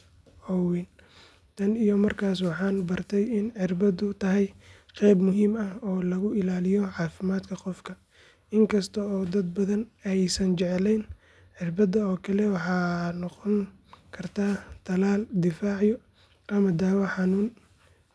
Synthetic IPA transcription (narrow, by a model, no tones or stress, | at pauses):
ɔwin | t̪ʰɐnijɔmɐrkʰaːs̬wɑħɑːnbɐrt̪ʰɛjɪnʕɪrbɐdʊt̪ʰɐɦɛj | qɛjbmʊɦiːmɐhɔːlɐɣʊɪlaːlɪjɔʕɑːfɪmaːd̪kʰɐqɔfkʰɐ | ɪŋkʰɐst̪ʰɐɔːd̪ɐd̪̚bɐðɐnɛjsɐnt͡ʃɛʕɛlɛjn | ħɪrbɐðɐɔːkʰɐlɛwɑħɑːnɔqɔŋ | kʰɐrt̪ʰaːt̪ʰɐlaːld̪ɪfaːʕjɔ | ʔɐmɐd̪aːwɐħɑnuːn